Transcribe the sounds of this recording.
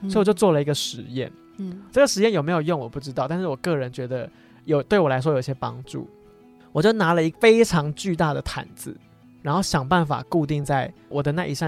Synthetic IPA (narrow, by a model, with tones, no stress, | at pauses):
sɔ˧˥jwt͡ɕjo˥˧ʊt͡swɔ˥˩lə˩i˧˥ɡə˧ʂɻ̩˧˥jɛ̰˥˩n | swɤ˥˩ɡə˩ʂɻ̩˧˦jɛ˥˩njo˨˩ʊme˧˥jo˨˩ʊjo˥˨ŋwɔ˨˩pu˥˩ʈ͡ʂɻ̩˥t̪ɑ˥˧ʊt̪a˥˧nʂɻ̩˥˩wɔ˨˩kɤ˥˩ɻə˧˦nt͡ɕɥɛ˧˥d̪ə˧ | jo˨˩ʊt̪we˥˩ɪwɔ˨la˧ɪʂ̬wɔ˥jo˨˩i˧ɕjɛ˥pɑ̰˦ŋʈ͡ʂṵ˥˩ | wɔ˨˩t͡ɕjo˥˩ʊna˧˥lə˧i˧˥fe˥ɪʈ͡ʂʰɑ˧˥ŋt͡ɕy˥˧t̪a˥˩d̪ə˩t̪ʰa̰˨˩nd͡z̩˧˦ | ɻa˧˥nxo˥˩ɕjɑ˨˩ŋpa˥˩nfa̰˨˩ku˥˧t̪i˥˧ŋt͡sa˥˩ɪwɔ˨˩d̪ə˦na˥˩ʔḭ˨˩ɕɑ˥˧